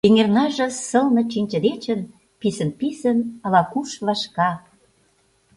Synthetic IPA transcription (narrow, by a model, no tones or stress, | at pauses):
yŋernɑʒɤ̆sə̆lnɤ̆t͡ɕinʲt͡ɕə̆d̪et͡ɕə̆n | pisə̆npisə̆nɑlɑkuʃβɑʃkɑ